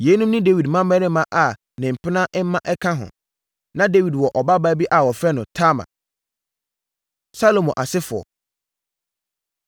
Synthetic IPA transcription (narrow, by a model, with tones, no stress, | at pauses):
je˨˦nũ˦mnʊ̃˦de˦wi˨dmã˦mɛ̃˦nɪ̃˦mã˦ʔa˨ | nɪ̃˨m̩˨pʰɪ˦nã˦ʔɛ˦mã˦ʔɛ˦kʰã˦ɦʊ̰̃˨ | nã˦de˦wi˨dwɔ˨ʔɔ˨ba˦baː˦bi˦ʔa˨wɔ˨fɛ˦nʊ̃˨tʰa˦mã̰˨ | sa˦lo˨mɔ̃˨ʔa˨sɪ˦fʊ˨ɔ̰˨